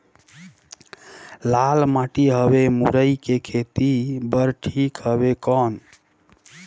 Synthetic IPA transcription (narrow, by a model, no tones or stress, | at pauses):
lalmaʈiɦəbemṵɾəjkekʰet̪ibəɾʈʰikɦəβekɔn